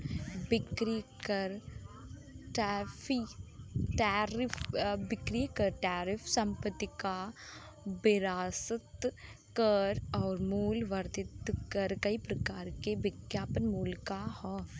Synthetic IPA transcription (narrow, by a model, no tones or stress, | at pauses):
bɪkɾikɐɾ | ʈaːfi | ʈaːɾɪfbɪkɾikɐɾʈaːɾɪfʰsɐ̃mpət̪ːika | bɪɾaːsət̪ | kɐɾɔːɾmuːlʋɐɾt̪ɪt̪kɐɾkɐipɾɐkaːɾkebɪɡjaːpənmuːlkahɔː